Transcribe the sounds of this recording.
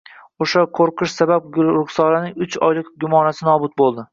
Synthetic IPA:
oʃaqʰoɾqʰɨʃsabab̚ɡʊʊχsɒlanɪŋʊt͡ʃʰɒ̰jlˠɪkɡʲʊmɒnasɪnɒbʊt̪̚bolˠd̪ɪ

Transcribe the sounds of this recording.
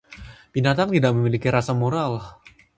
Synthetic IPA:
b̥inat̪aŋt̪idaʔ̚məmilikiɾasamoɾal

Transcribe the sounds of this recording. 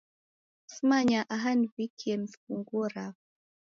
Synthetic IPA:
smaɲaʔaɦanvikʰiɛm̩skuŋɡuɾa

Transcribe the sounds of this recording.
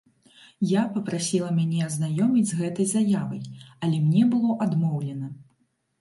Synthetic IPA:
japɐpɾasʲilˠɐmʲanʲɛɐznajɔmʲid͡zʲzɣɛt̪ɐjzajavɐjɐlʲɛmnʲɛbɨlˠɔʔad̪mɔwlʲɛnɐ

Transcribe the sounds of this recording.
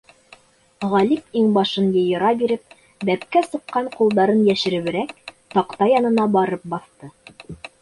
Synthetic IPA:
ʁɑlipiŋbɑʃɤnjɤ̆jɤ̆ɾɑbiɾɘp̚ | b̪æp̚kæsɤ̆qːɑɴqulˠd̪ɑɾɤnjæʃɘ̆ɾɘ̆βɘ̆ɾæk̚t̪ɑqt̪ɑjɑnɤ̆nɑbɑɾɤp̚bɑθt̪ɤ

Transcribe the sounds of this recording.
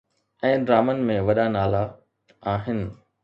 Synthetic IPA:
ɛ̃ːɖɾaːmənmẽʋɐɗanaːla | aːɦɪnɪ̆

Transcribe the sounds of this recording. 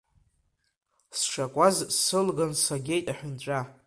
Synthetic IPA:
sʂakʷʼazsɨlɡansaɡʲe̞jtʼaħʊnt͡ʃʷʼa

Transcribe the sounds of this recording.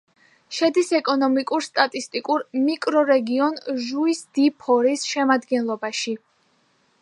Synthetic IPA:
ʃɛd̪isɛkʼɔnɔmikʼuɾst̪ʼat̪ʼist̪ʼikʼuɾmikʼɾɔɾɛɡiɔnʒuisd̪̥ipʰɔɾisʃɛmad̪ɡɛnlˠɔbaʃi

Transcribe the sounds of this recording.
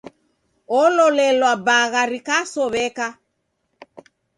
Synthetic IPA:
ɔlɔlɛlwabaɣaɾikasɔβɛka

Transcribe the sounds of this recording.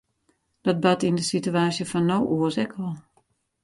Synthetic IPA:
d̥ɔt̚batindəsityaːsjəfɔnːowʔuəsɛkʰʋɔlˠ

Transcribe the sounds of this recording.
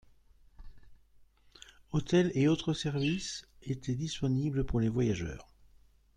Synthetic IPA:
ot̪ɛleot̪χəsɛʁviset̪ʰɛd̪ispɔnibləpuʁlevwajaʒœ̰ːʁ

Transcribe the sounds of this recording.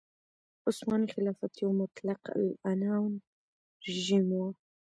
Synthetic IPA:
ʔʊsmaːnixɪlaːfat̪jumat̪lɑqa̰lʔanawn | ʒimwa

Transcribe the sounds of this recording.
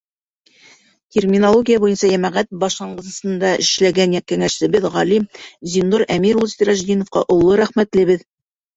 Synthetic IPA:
tʲermʲinolˠoɡʲijabujɤnsɑjæmæʁæt̪̚bɑʃlˠɑɴɢɤ̆s̆sɤ̆nd̪ɑʔɘ̆ʃlæɡænjækːæŋæʃsɘ̆bɘðʁɑlimzʲind̪uɾæmiɾulˠsʲt̪ɾæʒd̪inŏfqɑ̰ʔŏlˠːɤɾæχmæt̪lɘ̆βɘð

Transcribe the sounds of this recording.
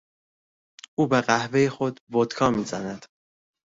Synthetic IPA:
uːbeɢæhve̞jexo̞d̪bod̪̥kʰɒːmiːzænæd̪̥

